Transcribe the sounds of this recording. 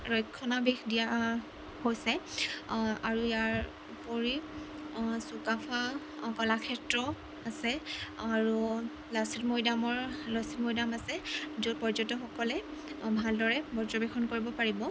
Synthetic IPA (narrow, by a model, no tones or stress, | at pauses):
ɹɔjkʰːɔnabexdija | hojsɛ | aɹujaɹ | upoɹi | sukapʰa | kɔlakʰɛtɹɔ | asɛaɹu | lasitmojdamɔɹlɔsitmojdamasɛd͡ʒupɔɹd͡ʒɔtːɔxɔkɔlɛbʱaldɔɹɛbɔɹzɔbɛxʰɔnkoɹibɔpaɹibɔ